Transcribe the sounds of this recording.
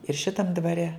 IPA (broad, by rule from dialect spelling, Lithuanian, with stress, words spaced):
ɪr ˈʃʲɪtɐm dʋɐˈrʲɛ